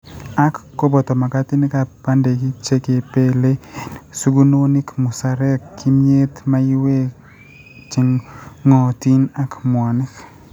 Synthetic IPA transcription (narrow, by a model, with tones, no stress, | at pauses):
a˦kːɔ˦bɔ˨tɔ˨ma˨ka˦tɪ˦nɪ˦ka˨pa˦nde˨ki˦t͡ʃe˦ke˨pe˦le˦su˦ɡu˦no˦ni˦kmu˨sa˨ɾɛ˦kːi˦mje˦tma˦i˦we˦ | t͡ʃi˨ŋːɔ˨ti˦na˦kmwɔ˨nɪ˦k